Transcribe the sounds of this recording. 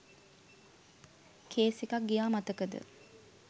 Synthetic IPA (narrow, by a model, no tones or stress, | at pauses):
kʰeːsekak̚ɡijaːmat̪əkəd̪ə̰